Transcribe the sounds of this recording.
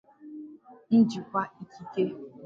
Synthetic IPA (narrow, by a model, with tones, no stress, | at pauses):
n̩˦d͡ʒi˨kʷa˦i˦kʰi˦ke˦